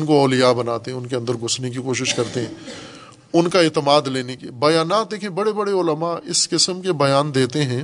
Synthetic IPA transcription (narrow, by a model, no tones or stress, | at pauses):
nkoɔːlijabɐnaːt̪eɦɛ̃ʊnkeɐ̃nd̪əɾɡʱʊsnek̬ikoːʃ̬ɪʃkɐɾt̪eɦɛ̃ː | ʊnkaeːt̪əmaːd̪leːnekebɐjaːnaːt̪̚d̪eːkʰiẽbɐɽebɐɽeʊləmaɪskɪsəmkebɐjaːnd̪eːt̪eɦɛ̃ː